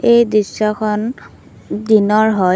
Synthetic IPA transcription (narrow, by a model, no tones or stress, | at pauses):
ejdisɔkʰɔn | dinɔɹɦɔ